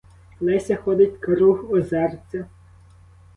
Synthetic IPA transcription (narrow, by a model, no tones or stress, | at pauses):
nɛsʲɐxɔd̪ɪtʲkɾuxɔzɛrt͡sʲɐ